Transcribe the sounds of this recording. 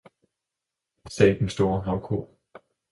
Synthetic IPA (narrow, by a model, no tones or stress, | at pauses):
sɛ̰ɪd̥ensd̥o̝ːɐɦɑ̈ʊkʰo̝ɐ̰